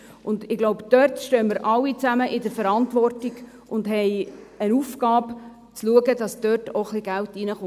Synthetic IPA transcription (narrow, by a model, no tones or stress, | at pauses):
ʔʊndɪɡ̥loʊbd̥œrtʃtøːməɾʔɑlːit͡sæməʔɪdəɾfəɾɑntvɔrtiɡ̥ | ʔʊndɦɛɪ | ənuːfɡɑːp | t͡sluəɡəd̥ɑsd̥øːtʰoχliɡæltinəχo